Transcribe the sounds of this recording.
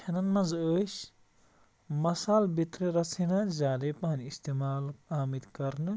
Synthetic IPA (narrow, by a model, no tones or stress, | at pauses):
kʰenɐnmɐzəs | mɐsaːlbit̪ɾeɾɐt͡sʰinɐd͡ʒaːlepɐɦniist̪emaːlaːmid̪kɐɾnɨ